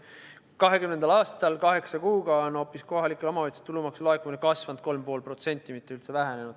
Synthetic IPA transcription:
kɑɦe̞kymne̞nd̪̥ɑlɑːst̪ɑlkɑɦe̞ksɑkuːɡɑono̞ːpːˑisko̞ɦɑlikulomɑɑjt̪se̥t̪ulumɑksloekːˑuminekɑsvɑnd̪̥̚ko̞lmpo̞ːlpɾro̞t̪se̞nʲt̪ːˑimit̪ːeylt̪se̞væɦene̞nud̪̥

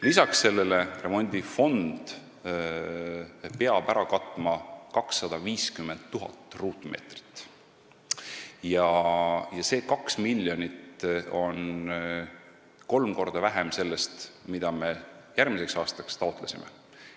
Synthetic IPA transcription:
lisɑksːe̞lːe̞lere̞mo̞nʲd̪̥ʲifo̞nd̪̥ | pe̞ɑb̥æɾɑkɑt̪ːˑmɑkɑksːɑd̪̥ɑviːskymːe̞nd̪t̪ːuɦɑ̰t̪ːruːt̪ˑmʔe̞̰ːt̪ri̥t̪ˑː | jɑjɑse̞ːkɑksmilʲːjo̞nʲit̪o̞n | ko̞lmko̞rd̪̥ɑvæɦemse̞lːe̞st̪mid̪̥ɑme̞jæɾmise̞ksɑːst̪ɑkst̪ɑot̪ˑlesʲimḛ

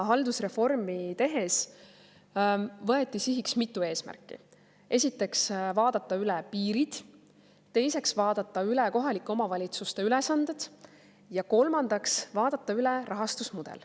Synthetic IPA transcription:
ɦɑld̪usre̞fo̞rmit̪e̞ɦe̞s | vɤ̞e̞t̪ːˑisiɦiksmit̪ːˑue̞ːsmæ̰rkːˑḭ | ʔe̞sʲit̪ːˑe̞ksvɑːd̪̥ɑt̪ːˑɑylɛpiːɾid̪̥ | t̪ːe̞jse̞ksvɑːd̪̥ɑt̪ːˑɑylɛko̞ɦɑlikːˑo̞mɑvɑlʲit̪sust̪e̞ylɛsɑnd̪̥ed̪̥ | jɑko̞lmɑnd̪̥ɑksvɑːd̪̥ɑt̪ːˑɑylɛrɑɦɑst̪usmud̪̥ḛl

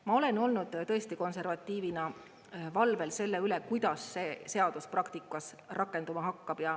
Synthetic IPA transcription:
mɑo̞le̞no̞lnud̪̥t̪ɤest̪iko̞nse̞rvɑt̪ːˑiːvinɑ | vɑlve̞lse̞lːeylekujd̪̥ɑsːe̞ːse̞ɑd̪̥usprɑkt̪ikːˑɑs | rɑkːˑe̞nd̪umɑɦɑkːɑb̥jɑ

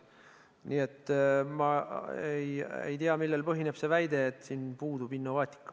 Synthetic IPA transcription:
niːe̞t̪ːmɑejḛjt̪iɑmilːe̞lpɤɦine̞b̥se̞væjd̪e̞ːt̪siːnpuːd̪̥ub̥inːo̞vɑːt̪ʲːˑi̥kːɑ̥

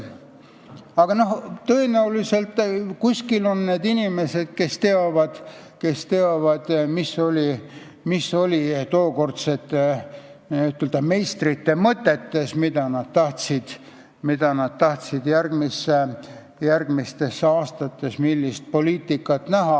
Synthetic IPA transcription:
ɑɡ̥ɑno̞ht̪ɤenæulise̞lt̪ːˑkusʲkilo̞nːeːd̪inime̞se̞d̪̥ke̞st̪e̞ovɑd̪̥ | ke̞st̪eovɑd̪̥misːo̞lʲi | misːo̞lʲit̪o̞ːko̞rt̪set̪ːˑ | yt̪ːˑeld̪ɑme̞jst̪rit̪ːe̞mɤt̪ːˑet̪ːe̞smid̪̥ɑnɑd̪̥t̪ɑht̪sid̪̥ | mid̪̥ɑnɑd̪̥̚t̪ɑht̪sid̪̥jærɡ̥misːe | jærɡ̥mist̪e̞sːeɑːst̪ɑt̪ːˑe̞smilːist̪̚po̞liːt̪ˑikːˑɑt̪næɦɑ

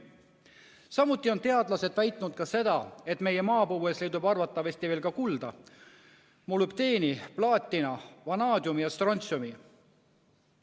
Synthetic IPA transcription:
sɑmut̪ˑːio̞nt̪e̞ɑd̪lɑse̞d̪̥væjt̪ˑnud̪̥̚kɑse̞d̪ɑe̞t̪me̞je̞mɑːpuweslejd̪ubɑrvɑt̪ːˑɑvesʲt̪iveːlkɑkuld̪ɑ | mulup̚t̪e̞ːniplɑːt̪ʲːˑinɑvɑnɑːd̪ʲjumijɑst̪ronʲt̪sumi

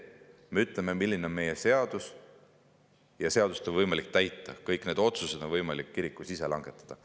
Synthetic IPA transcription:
me̞yt̪ˑlememilːineonme̞je̞se̞ɑd̪̥us | jɑse̞ɑd̪ust̪nvɤjmɑlik̚t̪æjt̪ːˑɑkɤjkne̞d̪̥o̞t̪suse̞d̪̥onvɤjmɑlikːiɾikːˑusise̞lɑŋɡ̥e̞t̪ːˑɑ̥d̪̥ɑ

